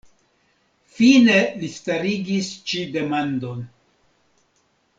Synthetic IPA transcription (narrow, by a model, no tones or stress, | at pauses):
fine̞listaɾiɡist͡ʃide̞mando̞n